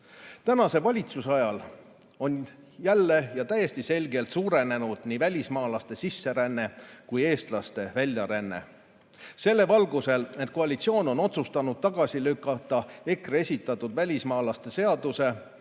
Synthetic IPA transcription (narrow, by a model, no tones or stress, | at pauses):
t̪ænɑse̞vɑlʲit̪susɑjɑl | o̞n | jælːe̞jɑt̪æje̞st̪ise̞lʲɡe̞lt̪suːɾe̞ne̞nud̪̥niːvælʲismɑːlɑst̪e̞sisːe̞ɾænːe̞kuje̞ːst̪lɑst̪e̞vælʲjɑɾænːe̞̰ | se̞lːe̞vɑlɡuse̞lned̪̥̚ko̞ɑlʲit̪sio̞ːno̞nːo̞t̪sust̪ɑnud̪̥̚t̪ɑɡ̥ɑsilykːˑɑt̪ˑːɑe̞kre̞sʲit̪ːˑɑt̪ːud̪̥vælʲismɑːlɑst̪e̞se̞ɑd̪̥use̞